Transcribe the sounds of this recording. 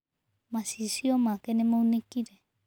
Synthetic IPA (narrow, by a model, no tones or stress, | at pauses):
masisiomakenemaunekiɾe